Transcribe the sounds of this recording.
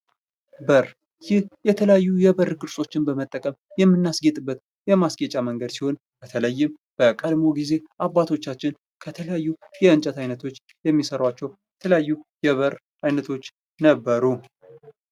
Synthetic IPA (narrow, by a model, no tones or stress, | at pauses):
bəɾ | jɪhjɛt̪ʰələjajːujɛbəɾɡʼɨɾsʼo̞t͡ʃːɪnbəmət̪ʼːəkʼəmjɛmːɨnːasɡet̪ʼɨbːət̪ | jɛmasɡet͡ʃʼaməŋɡəd̪siho̞n | b̥ət̪ʰələjːɪm | b̥əkʼəd̪mo̞ɡize̞ʔabːat̪ʰo̞t͡ʃːat͡ʃːɪn | kʰət̪ʰələjajːujɛɨnt͡ʃʼət̪ʰajnət̪ʰo̞t͡ʃː | jɛmːisəɾawat͡ʃːɛwjɛt̪ʰələjajːujɛβəɾ | ʔajnət̪ʰo̞t͡ʃː | nəbːəɾu